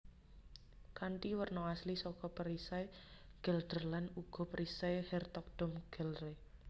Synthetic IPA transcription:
kaɳʈiwərnɔaslisɔkɔpəɾisajɡ̥əld̪̥ərlanuɡ̥ɔ̤pəɾʔisajhɛrt̪ɔk̚d̥ɔ̤mɡ̥ə̤lre

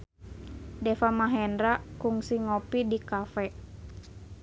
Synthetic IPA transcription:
dɛfamaɦɛndɾakuŋsiŋɔpidikafɛ

